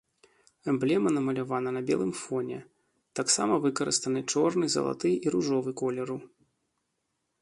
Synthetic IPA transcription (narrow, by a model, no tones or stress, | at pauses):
ɛmblʲɛmɐnɐmɐlʲavanɐnɐbʲɛ̰lˠɨmfɔnʲɛ̰ | t̪aksa̰mɐvɨkɐɾɨ̰st̪ɐnɨt͡ʂɔrnɨzɐ̰lˠa̰t̪ɨjiɾuʐɔvɨkɔlʲɛɾu